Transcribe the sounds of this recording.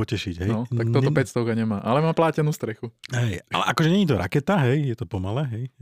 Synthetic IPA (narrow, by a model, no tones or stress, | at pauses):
ɔcɛʃiɟɦɛnɔt̪akt̪ɔt̪ɔpɛst̪ɔʊkaɲɛmaːʔalɛmaːplaːcɛnuːst̪ɾɛxuɦɛja̰lɛ̰ʔakɔʒɛɲɛɲiːt̪ɔɾa̰kɛt̪aɦɛjjɛt̪ɔpɔmalɛːɦɛj